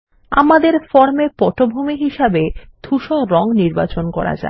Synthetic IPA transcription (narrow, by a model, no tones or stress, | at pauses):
a̰mad̪eɾfɔɾmepɔʈobʱumiɦiʃabed̪ʱuʃoɾɔŋniɾba̰t͡ɕonkɔ̰ɾa̰d͡ʑa̰